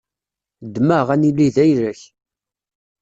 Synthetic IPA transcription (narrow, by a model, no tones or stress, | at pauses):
d̪məʁænilːiðæjɾəç